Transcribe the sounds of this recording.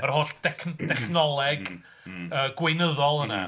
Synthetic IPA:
ərhoːɬd̥ɛkʰdɛχnɔlˠɛɡ | əːɡ̥wejnəðɔlˠəna̰

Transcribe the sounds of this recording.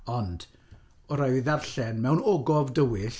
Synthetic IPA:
ɔnd̥ | ɔɾaɨviðarɬɛnmɛwnɔɡɔvdəwɪɬ

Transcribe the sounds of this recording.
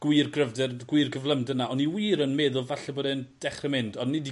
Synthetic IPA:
ɡ̥wɪrɡrəvdɛrɡ̥wɪrɡəvlˠəmdənaɔniwiːɾənmɛːðʊlˠvaɬɛboːdɛnd̥ɛχrəmɪndɔnnɪdi

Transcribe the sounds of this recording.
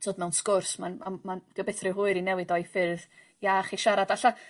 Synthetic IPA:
tʰoːdmɛwnskʊrsmanmamanɡ̥əbɛθrɪɦʊɨɾinɛwɨdɔɨfɪrð | jaːχiʃaɾadaɬa

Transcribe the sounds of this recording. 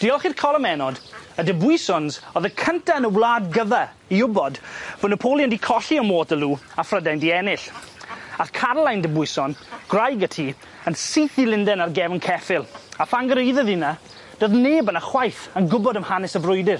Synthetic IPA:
d̥ɪlˠχirkʰɔlˠəmɛnɔdədəbʊɨsɔnzɔðəkʰəntʰanəwlˠaːdɡəva | iʊbɔdvɔnəpʰolˠjəndikʰɔɬiəmoːtəluːafrədajndiɛnɪɬ | aθkʰarlˠajndəbʊjsɔnɡ̥rajɡətʰi | ənsiːθilˠɪndɛnarɡɛvnkʰɛfɪlˠafaŋɡəɾejðəðɪna | d̥oðneːbənaχwajθənɡʊbɔdəmhanɪsəvrʊɨdɪr

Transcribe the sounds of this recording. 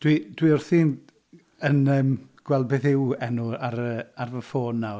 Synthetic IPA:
d̥wid̥wiʊrθiːn | ənəːmɡ̥wɛl̚ˠbeθɪwɛnuaɾəarvəfoːnːaw

